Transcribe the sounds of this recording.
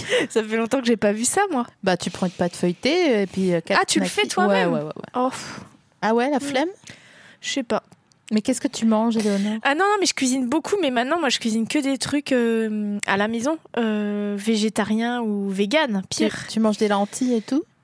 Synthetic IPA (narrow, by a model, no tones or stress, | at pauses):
safɛlɔ̃t̪ɑ̃kəʒepavysamwabat̪ypχɑ̃ynpad̪əfœjt̪eepɥiøkaat̪ynafɛt̪wamwɛmwɛ̰wɛ̰wɛ̰ɔf | awɛlaflɛm | sɛpa | mɛkʲɛskət̪ʰymɑ̃ʒeleonœʁanɔ̃nɔ̃mɛʒəkʲɥizinbokʰumɛmɛ̃t̪nɑ̃mwaʒəkʲɥizinkəd̪et̪χykʲøma̰lamezɔ̃øveʒet̪aʁjɛ̃uveɡʲanpʰiʁt̪ymɑ̃ʒd̪elaɑ̃t̪ʰiet̪u